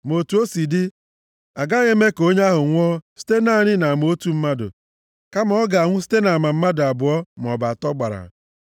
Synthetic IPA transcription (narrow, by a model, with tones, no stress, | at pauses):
mo˨tu˨o˦si˨dɪ˦ | a˨ɡa˦ɣe˦me˦ko˦ɲ˦a˦ɦʊ˨ŋʷɔ˦si̥˦te˦na˦˨ɲɪ˦na˨m˨o˦tu˦m̩˦ma˦dʊ̰˨ | ka˦mɔ˦ɡa˨a˨ŋʷʊ˦s̬i̥˦te˦na˨ma˨m̩˦ma˦dʊ˨a˨bʊ˨ɔ˦m˨ɔ˨ba˨a˨tɔ˦ɡ͡ba˨ɾa̰˨